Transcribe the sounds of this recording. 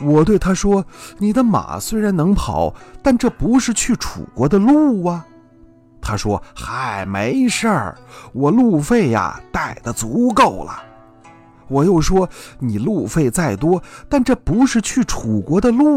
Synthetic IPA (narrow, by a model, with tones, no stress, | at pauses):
wɔ˨˩t̪we˥˩ɪt̪ʰa˥ʂwɔ˥ni˨˩d̪ə˦ma̰˨˩swe˥ɪɻa˧˥nɤ˧˥ŋpʰɑ˨˩˦ʊt̪a˥˧nʈ͡ʂɤ˥˩pu˧˥ʂɻ̩˥˧t͡ɕʰy˥˩ʈ͡ʂʰṵ˨˩kwɔ˧˥d̪ə˧lu˥˩ɐ˩ | t̪ʰa˥ʂwɔ˥xa˧˥ɪme˧˥ɪʂə˞˥˧˩wɔ˨˩lu˥˩˧fe˥˩ɪɐ̰˨˩t̪a˥˩ɪd̪ə˨t͡su˧˥ko˥˩ʊlə̰˩ | wɔ˨˩jo˥˩ʊʂwɔ˥ni˨˩lu˥˧fe˥˧ɪt͡sa˥˩ɪt̪wɔ˥t̪a˥˧nʈ͡ʂɤ˥˩pu˧˥ʂɻ̩˥˧t͡ɕʰy˥˩ʈ͡ʂʰu˨˩kwɔ˧˥d̪ə˧lu˥˩